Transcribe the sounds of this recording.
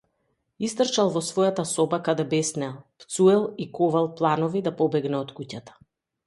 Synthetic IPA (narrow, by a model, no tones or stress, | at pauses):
ist̪r̩t͡ʃalˠvɔsvɔjat̪asɔbakad̪ɛbɛsnɛlˠpt̪suɛlˠikɔvalˠplˠanɔvid̪apɔbɛɡnɛɔt̪kucat̪ḁ